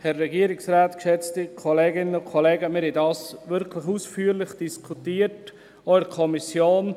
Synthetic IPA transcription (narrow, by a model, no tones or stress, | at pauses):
hɛɾːɛɡiəɾɪksraːtkʃɛt͡stɪkʰoleːɡɪnənʊnkʰoleːɡəmɪɾhɛdɑːsʋɪɾkʰlɪxuːsfyːɾlɪχd̥iskʰutiːət | ɔɪəkʰɔmisjoːn